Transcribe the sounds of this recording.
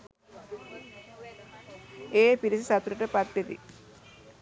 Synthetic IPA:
eːpiɾisisɐt̪uɾɐʈɐpɐt̪ːed̪ḭ

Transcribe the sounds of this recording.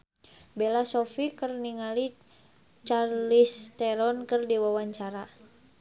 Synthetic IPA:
belasɔfikərniŋali | t͡ʃarlist̪ɛɾɔnkərdiwawaɲt͡ʃaɾa

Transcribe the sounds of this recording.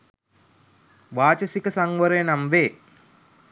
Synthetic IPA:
ʋaːt͡ʃəsikəsaŋʋəɾəjənamʋeː

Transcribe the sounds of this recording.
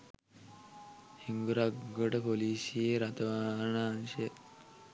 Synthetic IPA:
hiŋɡuɾaɡəʈpolisieɾat̪ʋaɳanɕe

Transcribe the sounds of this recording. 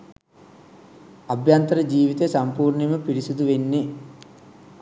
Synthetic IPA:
ɐbʱjɐnt̪ɐɾɐd͡ʒiːʋit̪esɐmpuːɾɳimɐpiɽisud̪uʋenːi

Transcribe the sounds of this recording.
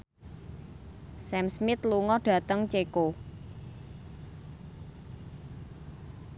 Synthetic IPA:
sɛmsmɪt̪luŋɔɖ̥ä̤t̪əŋt͡ʃeko

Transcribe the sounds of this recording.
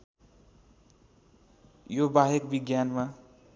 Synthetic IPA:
jobaɦekbiɡjanma

